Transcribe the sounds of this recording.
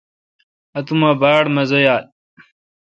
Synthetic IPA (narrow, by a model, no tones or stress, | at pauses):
ɐt̪umabaːɽmɐzojaːl̚